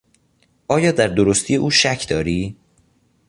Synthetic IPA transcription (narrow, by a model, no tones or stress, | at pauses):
ʔɒːjɒːd̪æɾd̪oɾost̪ʰije̞ʔuːʃæcʰd̪ɒːɾiː